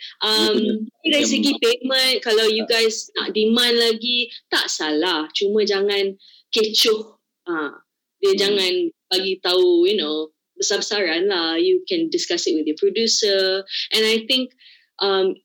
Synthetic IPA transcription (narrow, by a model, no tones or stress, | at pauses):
ʔamidais̬əɡipemə̃nkalawjuɡajsna̰ʔdimãnlaɡit̪a̰ʔsalaht͡ʃumə̃d͡ʒaŋãn | ket͡ʃʊh | ã | diəd͡ʒaŋãnb̥aɡit̪aujuno | bəsabsaɹanlahjukɛ̃ndɪskasɪt̚wɪθjəpɹodjusəʔɛ̃najt̪ɪ̃ŋk̚ | ʔam